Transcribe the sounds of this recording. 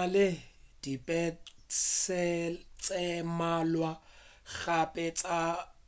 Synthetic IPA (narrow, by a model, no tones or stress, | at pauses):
lɪd̥ipʼɛsʰɛt͡sʼɛmalwa | ɣapʼɛt͡sʼa